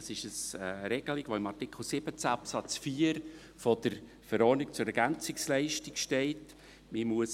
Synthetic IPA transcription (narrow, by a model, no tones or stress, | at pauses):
sɪʃəsəɾɛɡ̥əlɪɡʋoɪmɑrtɪkχl̩sɪb̥ət͡sæɑpsɑt͡sfiːəɾ | fɔd̥əɾ | fəɾɔɾnikt͡sʊɾɛɾɡ̥ænt͡sɪkslɛɪʃtɪkʃtɛɪt | mɪmuəs